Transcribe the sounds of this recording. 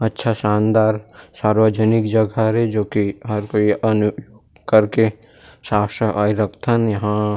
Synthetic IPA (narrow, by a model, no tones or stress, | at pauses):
ətːʃʰasãːnd̪aːɾsaːɾʋəd͡ʒənɪkd͡ʒəɡaɾɛd͡ʒoːkiɦɐɾkoʔɐnʊjoɡ | kɐɾke | ʃaːʃəʔaːiɾəkt̪ʰənjɐɦã